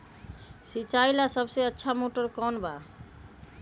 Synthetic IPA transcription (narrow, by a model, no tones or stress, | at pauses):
sit͡ʃajlasəbseətːʃʰamoʈəɾkɔnba